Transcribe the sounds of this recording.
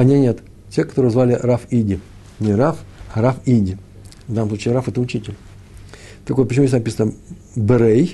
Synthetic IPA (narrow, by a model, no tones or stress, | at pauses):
ɐnʲenʲet̪ | tʲekɐ̥t̪oɾɨəzvalʲɪrafidʲɪ | nʲɪɾafɾafidʲɪ | vd̪anəmsˠut͡ɕʲiːɾafɛt̪əʊt͡ɕitʲɪlʲ | t̪ɐkot̪̚pət͡ɕɪmujʲesʲnapʲisənə | bɨɾej